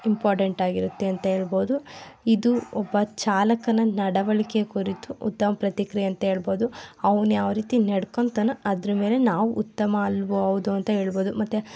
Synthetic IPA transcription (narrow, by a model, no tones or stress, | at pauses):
impaːɾʈeɳʈaːɡiɾut̪ːeɐnt̪ɐɦe̞ːɭboːd̪uid̪uɔbːɐt͡ʃaːlɐkɐnɐnɐɽɐʋɐɭikekuɾit̪uut̪ːɐmɐpɾɐt̪ikɾɛɐnt̪ɐɦe̞ːɭbo̞ːd̪uɐʋɐnujaːʋɐɾiːt̪ineɽkont̪ɐnɐɐd̪ɾɐme̞ːle̞naːʋuʔut̪ːɐmɐɐlːʋuɐʋd̪uɐnt̪ɐɦe̞ːɭbo̞ːd̪umɐt̪ːe